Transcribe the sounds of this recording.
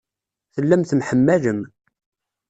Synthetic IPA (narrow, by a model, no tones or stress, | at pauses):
θəlːæmθəmħəmːæləm